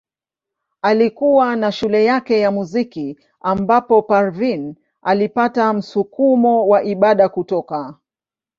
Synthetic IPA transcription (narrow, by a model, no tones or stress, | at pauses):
alikuwanaʃulɛjakɛjamuziki | ambapɔpaɾvin | alipatam̩sukumɔwaʔiɓaɗakutɔka